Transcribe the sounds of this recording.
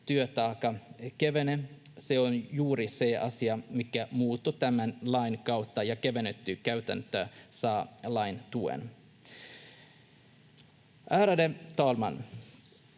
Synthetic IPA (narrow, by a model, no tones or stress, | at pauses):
t̪yøt̪ɑːkɑkeʋene | seonjuːɾiseʔɑ̰siɑmikæmuːt̪ːot̪æmænlɑinkɑwt̪ːɑjɑkeʋenet̪ːykæyt̪æ̰nt̪øsɑːlɑint̪uḛn | ʔæːɾædet̪ɑːlmɑn